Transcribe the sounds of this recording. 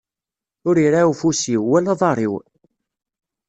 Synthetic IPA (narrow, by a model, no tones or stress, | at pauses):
ʊɾiɾaufusiwːælɑðˤɑrˤḭw